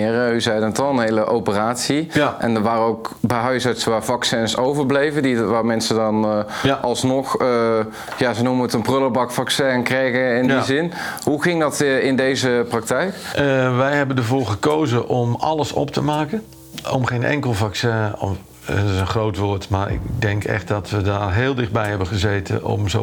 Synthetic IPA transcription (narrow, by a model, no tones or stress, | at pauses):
ɪːryzɛjdənətɑlˠənɦejləʔowpəraːtsiʔɛ̰ndəɹʋaːrəowkbɛjɦœɥsœtsʋaːɹvɑksɛnsowvəɹblejvədiʋaːɹmɛnsədɑnʔɑlˠsnɔχ | jaːzənumənətənprʏləbɑkfɑksɛnkrejɣəɪnizɪnhuɣɪŋdɑtɪndejzəprɑk̚tɛjkʔʋɛjɦɛbəndəɹvʊːɹχəkowzəʔɔmɑ̰ləsɔ̰p̚təmaːkən | ɔmχejnʔɛ̰ŋkəlˠvɑksɛ̃ɔ̰ | tɪsənχrowtʋoːɹtmaːɹɪ̰kdɛŋkʰɛ̰χt̚dɑtʋədaːrɦeːlˠdɪχd̚bɛjɦɛbəχəzeːtʰə̰nɔ̰mzo